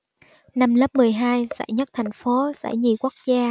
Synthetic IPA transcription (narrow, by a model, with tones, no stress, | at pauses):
na˧mləː˦˥p̚mɨ˨˩əjɦaː˧jza̰˧˥jɲə˦˥t̚t̪ʰa˨˩jŋ̟fo˨˦sɛ̰˧˥jɲi˨˩ku˦˥ək̚zaː˧